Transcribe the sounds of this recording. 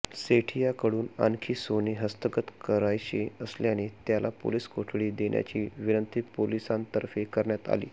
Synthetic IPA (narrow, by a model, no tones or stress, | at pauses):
seʈʰijakəɽuːna̰nkʰiːsoneɦəst̪əkət̪kəɾajt͡ɕeəsleaɽ̃it̪jalapo̰liskoʈʰɽiːd̪eɳja̰t͡ɕiːʋinənt̪ʰipolisãnt̪əɾfekəɾɳjat̪a̰lḭː